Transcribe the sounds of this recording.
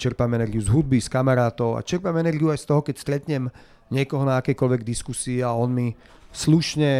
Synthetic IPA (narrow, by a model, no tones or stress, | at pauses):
t͡ʃɛɾpamɛnɛɾɡiuzɦud̪̚biskamaɾaːt̪ɔʊa̰t͡ʃɛɾpamɛnɛɾɡiuajst̪ɔɦɔkɛcst̪ɾɛt̪ɲɛm | ɲɪɛkɔɦɔnaːkɛjkɔlʋɛɡ̚d̪iskusiːaɔnmi | sluʃɲɛ